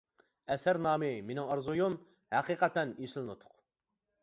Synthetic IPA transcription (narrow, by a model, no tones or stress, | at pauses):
ɛsæɾnɑːmɨmenɪŋɑɾzujum | hæqʰiqʰɛt̪ɛniʃɪlˠɨnut̪ʰʊ̥q